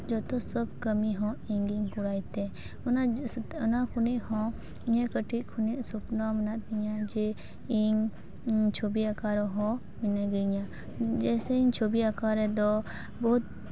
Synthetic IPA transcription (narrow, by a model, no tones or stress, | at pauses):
d͡ʒɔt̪ɔsɔb̚kəmiɦɔ̃iŋɡiŋkuɾajt̪ɛ | unɔnakʰuniʔhɔ̃ | iɲakəʈʰiʔ̚kʰuniʔsɔpnamənat̪̚iɲad͡ʒɛ | iɲ | t͡ʃʰobiakaɾɔɦɔ̃ | minəɡəɲa | d͡ʒɛsɛiɲt͡ʃʰobiakaɾɛd̪ɔ | bɔɦut̪̚